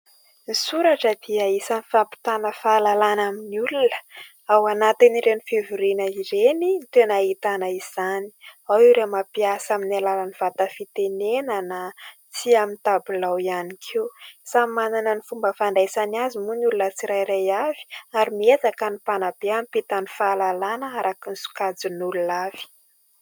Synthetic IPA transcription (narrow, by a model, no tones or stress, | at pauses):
nisuɾaʈ͡ʂəd̪̥iaisanifapi̥t̪anəfaːlalanaminiulunə̥ | awanat̪iniɾenifivuɾinəiɾenint̪enaɦit̪anaiz̥ani̥awiɾemapiasaminalalaniv̥at̪əfit̪enenəna | t͡siamint̪abulawianikʰiusamananənifumbəfaɳdasaniazimunulunət͡siɾajɾajavi̥aɾimiezakənipanab̥eamipit̪anifalalanəaɾʔakinisu̥kad͡zunululav̥i̥